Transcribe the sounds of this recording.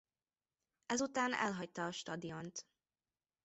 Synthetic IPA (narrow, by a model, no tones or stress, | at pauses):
ɛzut̪aːnɛ̰lɦɒct̪ɒːʃt̪ɒd̪ijo̞nt̪